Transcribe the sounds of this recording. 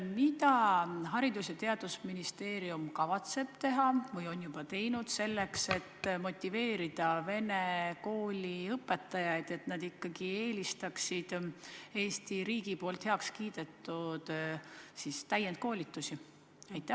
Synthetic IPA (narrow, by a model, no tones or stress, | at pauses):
mid̪ɑɦɑɾid̪usjɑt̪e̞ɑd̪̥usminist̪e̞ːɾiumkɑvɑt̪se̞b̥t̪e̞ɦɑvɤjo̞njub̥ɑt̪e̞jnud̪̥se̞lːe̞kse̞t̪ːmo̞t̪ʲːive̞ːɾid̪̥ɑve̞ne̞ko̞ːlʲiɤpːˑe̞t̪ːˑɑjɑjd̪̥e̞t̪nɑd̪ikːɑɡ̥ie̞ːlist̪ɑksid̪̥e̞ːst̪iɾiːɡ̥ipo̞ːlt̪heɑkskiːd̪̥e̞t̪ːˑud̪̥siːst̪æjent̪̚ko̞ːlʲit̪ːˑusi | ɑjt̪ːˑæh